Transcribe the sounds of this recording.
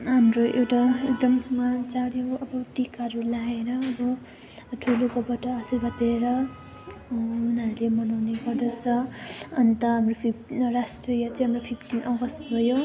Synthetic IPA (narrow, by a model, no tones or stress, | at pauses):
ɦamroʔewʈaekd̪ʌmmat͡saɽjoʌbʌt̪ikaɾulaeɾʌːbʌ | ʈʰulokʌbʌʈʌːsirbʌt̪eɾʌ | unaɾulemʌnawneɡʌrd̪ʌt͡sʰʌʌnit̪ʌɦamropʰiprasʈrijʌt͡sʌj̃ɦamropʰipʰʈinʌɡʌsbʱʌjo